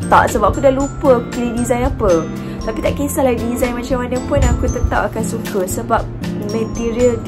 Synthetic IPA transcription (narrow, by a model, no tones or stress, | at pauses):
t̪a̰ʔsəbap̚akudalupəakukəlidizajnapə | t̪apit̪aʔkesalaididizajnmãt͡ʃamanə̃pʊnakut̪ət̪apakansukəsəbap̚ | mə̃t̪iɾiəl